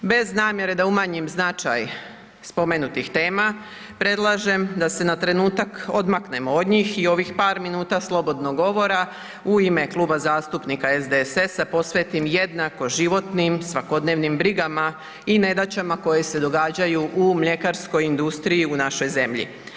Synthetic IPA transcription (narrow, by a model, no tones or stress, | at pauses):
be̞znaːmje̞ɾe̞d̪aumaɲimznat͡ʃaj | spo̞meːnut̪ixt̪e̞ːma | pɾe̞d̪lˠaʒe̞md̪ase̞nat̪ɾe̞nuːt̪ako̞d̪makne̞mo̞od̪ɲiːxio̞ʋixpaːɾminuːt̪aslˠo̞bo̞d̪no̞ɡo̞ʋo̞ɾa | uime̞klˠuːbazaːst̪upnikaezd̪esesapo̞sʋe̞t̪imje̞d̪nako̞ʒiʋo̞t̪nimsʋako̞d̪ne̞ːʋnimbɾiɡama | ine̞d̪at͡ɕamako̞jese̞d̪o̞ɡaːd͡ʑajuʔumʎe̞kaɾsko̞jind̪ust̪ɾijiunaʃo̞jze̞mʎḭ